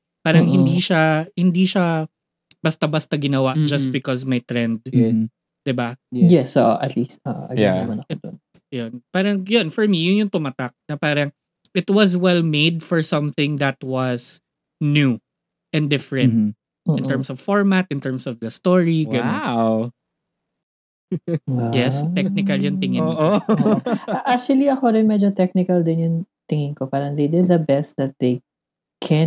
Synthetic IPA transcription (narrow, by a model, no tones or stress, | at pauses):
paːɾɐŋhɪnd̪iʃahɪnd̪iʃa | b̥ɐst̪ɐbast̪ɐɡɪnɐwaʔd͡ʒɐst̪̚bɪkɔsmɐjt̪ɾɛnd̪̚ | d̪̥ɪbajɛsʔo̰ʔʔɐt̪list̪o̰ʔʔɐ̰ɡjamɐnɐon | jonpaːɾɐŋjonfɔɹmijʊnjʊŋt̪ʊmat̪ak̚nɐpaːɾɐŋ | ʔɪt̪wɐs̬wɛlmejd̪̚fɔɹsɐ̃mθɪ̃ŋd̪ɐt̪wɐs | nju | ʔɛ̃nd̪ɪfɹɛ̃nt̪̩ː | ɪ̃nt̪ɛɹmsɔv̥fɔɹmat̪̚ʔɪ̃nt̪ɛɹmsɔvd̪ɐst̪ɔɹiwɛaw | jɛst̪ɛk̚nɪkɐljʊŋt̪ɪŋɪʔo | ʔak̚t͡ʃuɐliɐkoɾɪnmɛd͡ʒot̪ɛk̚nɪkɐld̪ɪnjʊŋ | t̪ɪŋɪŋkopaːɾɐŋd̪ejd̪ɪd̪̚dɐbɛst̪̚d̪ɐt̪̚d̪ej | kʰɛ